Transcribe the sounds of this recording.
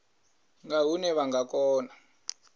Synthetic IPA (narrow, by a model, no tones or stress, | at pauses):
ŋɡaɦunɛβaŋɡakɔːna